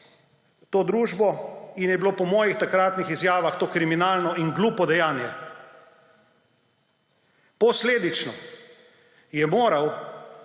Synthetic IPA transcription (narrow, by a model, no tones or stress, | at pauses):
t̪oːd̪ɾuːʒbɔinjɛbiloːpɔmɔːjixt̪akɾaːt̪nixizjaːʋaxt̪oːkɾiminaːlnɔiŋɡluːpɔd̪ɛjaːnjɛ | pɔsleːd̪it͡ʃnɔ | jɛmoːɾaw